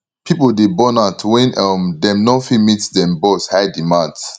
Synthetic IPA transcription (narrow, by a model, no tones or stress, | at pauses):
pʰipəldebɔnatʰwɛ̃nəmdɛ̃mnofimitdɛ̃mboθhaɪdimãnds